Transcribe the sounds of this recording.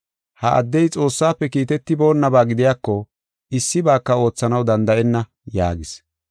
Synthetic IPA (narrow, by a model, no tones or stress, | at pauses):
hɐʔɐ̰d̪ːɛjt͡sʼo̞ːsːaːpːɛkiːt̪ɛt̪ːɪbo̞ːnːɐbaːɡɪd̪ɪjaːkːɔ | ɪsːɪbaːkːɐo̞ːt͡sːɐnɐwd̪ɐnd̪ɐʔɛnːɐ | ja̰ːɡɪs